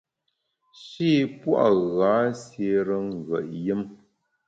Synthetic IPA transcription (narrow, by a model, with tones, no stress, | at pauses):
ʃiː˦pwa̰˦˨ʔɣa˨˦sje˨˦ɾə˦ŋ˨ɣə̰˨ʔjə˦m